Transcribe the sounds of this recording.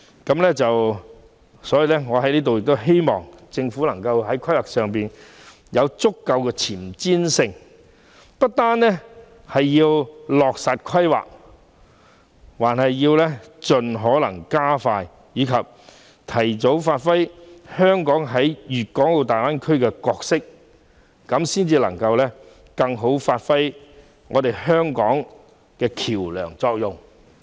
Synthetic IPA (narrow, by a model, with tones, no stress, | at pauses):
kɐ˨˥mlɛː˥t͡sɐ˨w | sɔː˨˥jiː˨˧lɛ˥ŋɔː˨˧hɐ˨˥jliː˥t̪o˨wjɪ˨k̚t̪o˥ɦe˥jmɔ̰ː˨ŋt͡sɪ˧ŋfuː˨˥lɐ˨˩ŋkɐ˧wɦɐ˨˥jkʰɐ˥jwaː˨k̚sœː˨˩ŋpiː˨n | jɐ˨˧wt͡sʊ˥kːɐ˧wkɛː˧t͡sʰiː˨˩mt͡siː˥nsɪ˧ŋ | pɐ˥t̚t̪aː˥nlɛ˥ | hɐ˨jːiː˧wlɔː˨k̚sa˨t̚kʷʰɐ˥jwa̰ː˨k̚ | waː˨˩nɦɐ˨jːiː˧wlɛ˥t͡ʃɵ˨nɦɔː˨˥lɐ̰˨˩ŋkaː˥faː˧j | jyː˨˧kʰɐ˨p̚ | t̪ʰɐ˨˩jt͡so˨˥wfaː˧t̚fɐ˥jhœː˥ŋkɔː˨˥ŋɦɐ˨˥jjyː˨t̚kɔː˨˥ŋto˨˧wt̪aː˨˩jwaː˥nkʰɵ˥ɥkɛː˧kɔː˧k̚sɪ˥k̚ː | ɐ˨˥msiː˥nt͡siː˧lɐ̰˨˩ŋkɐ˧wlɛː˥ | kɐ˧ŋɦo˨˥wfaː˧t̚fɐ˥j | ŋɔː˨˧t̪e˨jhœː˥ŋkɔ̰ː˨˥ŋ | kɛː˧kʰiː˨˩wlœ̰ː˨˩ŋt͡sɔː˧k̚jʊ˨ŋ